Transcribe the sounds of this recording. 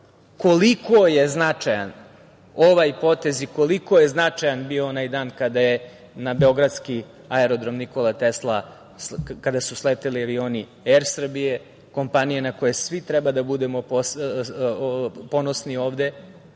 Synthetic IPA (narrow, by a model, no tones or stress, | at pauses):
ko̞likoje̞znat͡ʂaja̰n | oʋajpo̞t̪e̞ziko̞liko̞je̞znat͡ʂajanbionajd̪aːnkad̪aje | nabe̞o̞ɡɾad̪ski | aeɾo̞d̪ɾo̞mniko̞lˠat̪eslˠa | kad̪asuslet̪iliaʋioːni | eɾsr̩bije̞ | ko̞mpanijenakojesʋit̪ɾɛbad̪abud̪e̞mopos | po̞nosnio̞ːʋd̪e̞